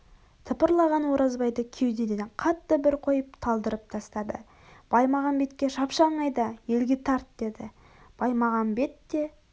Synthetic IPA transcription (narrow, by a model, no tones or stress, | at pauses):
t̪ʰəpəɾlˠɑʁɑnwo̞ɾɑzbɑjd̪əkʲʰe̞wd̪ed̪ed̪qʰɑt̪ːəbɪɾqʰo̞jəpt̪ʰɑlˠd̪əɾəp̚t̪ʰɑst̪ɑd̪ə̰ | b̥ɑjmɑʁɑnbe̞t̪kʲe̞ʃɑpʃɑlˠɴɑjd̪ɑje̞lɡʲe̞t̪ʰɑɾt̪d̪e̞d̪ɪ | b̥ɑjmɑʁɑnbe̞t̪ːe̞